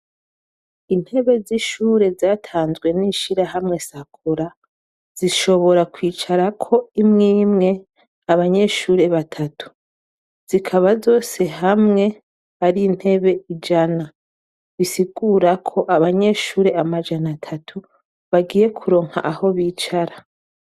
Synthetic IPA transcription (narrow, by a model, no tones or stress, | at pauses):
in̥he̞βe̞ziʃuːɾe̞zaːtʰaːnzɡwe̞niːʃiɾaɦamŋe̞sakʰuɾa | z̥iʃo̞βo̞ɾakwiːt͡ʃaɾakʰo̞imŋiːmŋe̞ | aβaɲe̞ʃuːɾe̞βatʰatʰu̥ | z̥ikʰaβazo̞ːse̞ɦamŋe̞ | aɾin̥he̞βe̞id͡ʒana | βisiɡuːɾakʰo̞ʔaβaɲe̞ʃuːɾe̞amad͡ʒanatʰatʰu | βaɡiːje̞kʰuɾo̞ːŋha̰ʔaho̞βiːt͡ʃaɾa